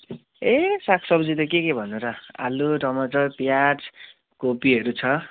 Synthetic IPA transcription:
esakʰsʌbd͡zit̪ʌkekebʱʌnuɾʌa̰luɖʌmʌd͡zʌpjaʈ | kopiɦʌɾut͡sʰʌ

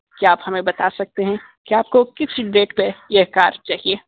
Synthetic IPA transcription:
kiaːphɐmẽbɐt̪asɐk̚t̪eɦɛ̃ | kiaːp̚kokɪsiɖɾeːʈpejeɦkaːɾt͡ʃaːɦieː

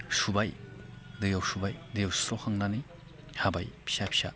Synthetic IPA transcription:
subajdɯjawsubajdijawsɾɔhʰaŋnani | habajpʰi̥sapʰi̥sa̰

